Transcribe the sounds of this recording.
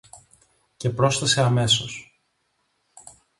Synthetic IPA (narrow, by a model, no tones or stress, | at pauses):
cepɾo̞sθese̞ɐme̞so̞s